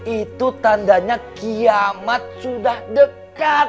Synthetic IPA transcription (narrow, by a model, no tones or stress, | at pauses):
ʔit̪ut̪andaɲakiamat̪̚sudahdəka